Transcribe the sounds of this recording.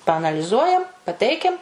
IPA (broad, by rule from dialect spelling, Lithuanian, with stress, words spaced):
pɐɐnɐlʲɪˈzuɔjɛm pɐˈtʲɛɪkʲɛm